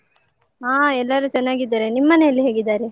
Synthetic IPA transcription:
ɦaːɛlːɐɾut͡ʃɛnːaːɡid̪ːaːɾenimːɐneɐlːiɦeːɡid̪ːaːɾe

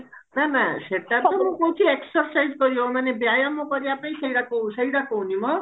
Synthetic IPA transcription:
mãmãseʈapmũkowt̪ʰieksʌrsajd͡zɡʌɾjoɦomanebjajamʌ̃kʌɾjapaj̃sʌjɽakosʌjɽakoɦunimʌ

